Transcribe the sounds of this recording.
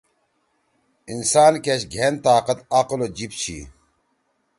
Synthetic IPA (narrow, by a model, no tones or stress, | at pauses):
insaːnkeɕɡʱent̪aːqɐt̪aqolod͡ʑipt͡ɕʰḭ